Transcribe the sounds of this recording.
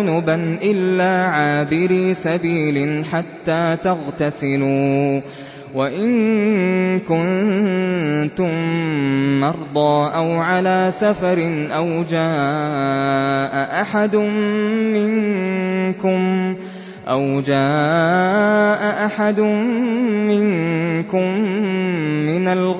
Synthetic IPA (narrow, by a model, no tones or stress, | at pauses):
ʊnʊbanʔɪlːaːʕaːbɪɾiːsabiːlɪnħat̪ːaːt̪aɣt̪asɪluː | waʔɪŋ | kʊn | t̪ʊmː | ɑɾˤd̪ˤɑːʔawʕalaːsafɑɾɪnʔawd͡ʒaː | ʔaʔaħad̪ʊmɪŋ | kʊm | ʔawd͡ʒaː | ʔaʔaħad̪ʊː | ɪŋkʊmː | ɪnal